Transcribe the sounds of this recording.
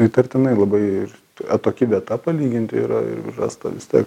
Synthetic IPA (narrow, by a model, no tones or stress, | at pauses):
it̪ɐrʲt̪ʲɪnɐɪlˠɐbɐɪɪ | ɐt̪oːkʲɪʋʲiɛt̪ɐpɐlʲiːɡʲɪnʲt̪ʲɪiːɾɐ̰ɪ̰ɾrɑ̰ːst̪ɐ̰ʋʲɪst̪ʲiɛk